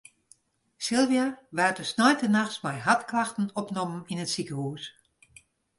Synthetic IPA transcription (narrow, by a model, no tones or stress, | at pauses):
sɪlˠʋiaʋɛrtəsnɔjtənaxsmɛjɦatklaxtn̩ɔpnɔməninətsikəhuːs